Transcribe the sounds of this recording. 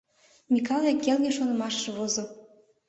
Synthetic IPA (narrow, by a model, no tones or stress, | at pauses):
mʲikɑlekːelɡʲeʃonɤ̆mɑʃːɤ̆βozɤ̆